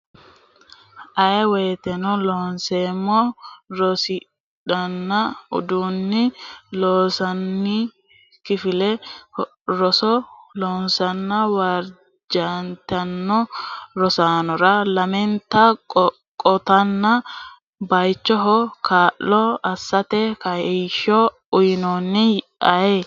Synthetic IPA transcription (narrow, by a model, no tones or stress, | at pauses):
ʔɐʔɛweːt̪ɛnɔloːnseːmːɔɾɔsɪ | ᶑɐnːɐʊ̰d̪uːnːɪloːsɐnːi | kɪfɪlɛ | ɾɔsɔloːnsɐnːɐwaːɾ | d͡ʒant̪ɐnːɔɾɔsaːnɔɾɐlɐmɛnt̪ːɐkʼ | kʼɔt̪ɐnːɐ | bɐjt͡ʃːɔɦɔkaːʔɔɐsːɐt̪ɛkɐɛʃɔ | ʊjɪnoːnːɪj | ʔɐjɛ